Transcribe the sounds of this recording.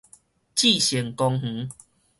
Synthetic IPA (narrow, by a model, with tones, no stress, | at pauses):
t͡ɕi˥˨ɕjə˨˩ŋkɔ˧ŋh̩˨˦